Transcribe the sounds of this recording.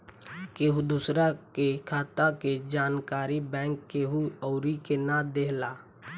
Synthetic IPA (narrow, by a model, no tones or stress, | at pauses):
keːɦud̪usɾakekʰaːt̪aked͡ʒaːnkaːɾibɛ̃ːŋkːeːɦuɔːɾikenad̪eːɦlaː